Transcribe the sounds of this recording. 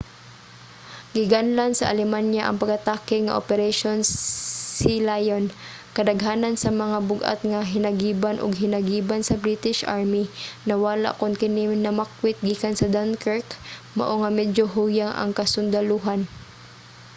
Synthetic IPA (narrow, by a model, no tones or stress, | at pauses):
ɡɪɡanlansɐʔalɛmanjaʔɐ̰ŋpɐɡat̪aːkɪŋa̰ʔopɛɾɛʃonsɪlajon | kɐd̪ɐɡɦaːnansɐmɐŋabʊɡʔa̰t̪̚ŋaɦɪnɐɡiːbanʔʊ̰ɡ̚ɦɪnɐɡiːbansɐbɾit̪ɪʃʔa̰ɹminɐwala̰ʔkʊnkɪninɐmakwɪt̪̚ɡiːkansɐd̪ankɛɹkmaʔoŋɐmɛdd͡ʒoɦujaŋʔɐ̰ŋkɐsʊnd̪ɐluɦan